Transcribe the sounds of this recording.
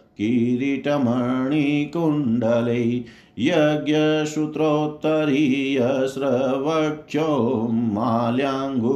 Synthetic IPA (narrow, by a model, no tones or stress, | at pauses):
kiɾiʈɐmɐɳikuɳɖɐlɐj | jɐɡjɐʃut̪ɾoːt̪ːɐɾijɐsɾɐʋɐʈʃoːaljaːŋɡu